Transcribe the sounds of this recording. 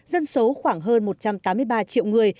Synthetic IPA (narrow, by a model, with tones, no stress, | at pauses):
zə˧nso˨˦xwaː˧˩ŋɦəː˧nmo˨˩t̚t͡ɕa˧mt̪aː˨˦mɨ˧əjɓaː˧t͡ɕḭ˧˨əwŋɨ˨˩əj